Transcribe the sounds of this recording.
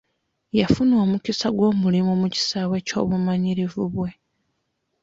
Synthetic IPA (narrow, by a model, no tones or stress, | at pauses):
jafunwoːmucisaɡwo̞ːmulimomuci̥saːwe̞ːco̞̰ːβumaɲiɾivuβwe̞